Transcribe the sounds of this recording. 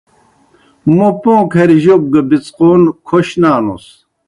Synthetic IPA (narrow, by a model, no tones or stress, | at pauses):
mopõːkʰɐɾʑok̚ɡɐbit͡sqoːnkʰoɕnaːno̰s